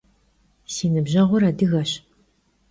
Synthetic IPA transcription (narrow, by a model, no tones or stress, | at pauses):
siːnɨbʑɐʁʷʊɾaːdɨɣɐɕ